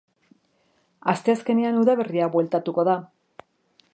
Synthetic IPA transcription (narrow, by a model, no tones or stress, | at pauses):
ast̪e̞aske̞ne̞anuðaβe̞riaβwe̞lt̪at̪uko̞ða